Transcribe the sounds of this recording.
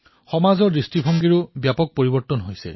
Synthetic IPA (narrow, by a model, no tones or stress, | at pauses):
xɔmazɔɹisʈibʱɔŋɡiɹubjapɔk̚poɹibɔɹt̪ɔnɦojsḛ